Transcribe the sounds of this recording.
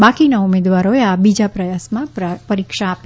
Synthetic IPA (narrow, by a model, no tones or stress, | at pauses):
bakinaumed̪ʋaɾoeabid͡ʒapɾəjasmãpəɾikʃaːp